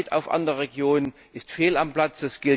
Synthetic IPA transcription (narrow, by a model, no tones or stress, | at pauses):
ta̰ʊfʔa̰ndəʁəʁeɡjoːnən | ʔɪstfeːlamplat͡sd̥ɛsɡ̥ɪl